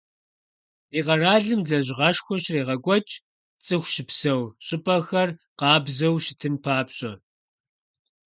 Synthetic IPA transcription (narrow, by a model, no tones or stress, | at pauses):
iːʁɐraːɮɨmɮɐʑʁɐʂxʷɔɕreːʁɐɡʷʼɔt͡ʃʼ | t͡sʼɨxʷʃɪpsɐwɕʼɪpʼɐxɐrqɑːbzɐwʃɪtʰɨnpʰaːpɕʼɐ